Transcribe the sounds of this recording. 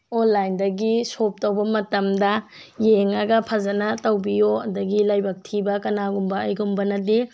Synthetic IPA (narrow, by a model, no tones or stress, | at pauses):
onlajndɐɡisop̚tɐwbɐmɐtɐmdɐjeŋɐɡɐpʰɐzɐnɐtɐwbijoɐdɐɡilajbɐk̚tʰibɐkɐnaɡumbɐːjɡumbɐnɐde